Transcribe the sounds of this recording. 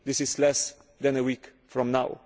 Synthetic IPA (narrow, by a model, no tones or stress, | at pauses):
d̪ɪsɪslɛs | d̪ɛ̃nəwik | fɹɔ̃mnaʊ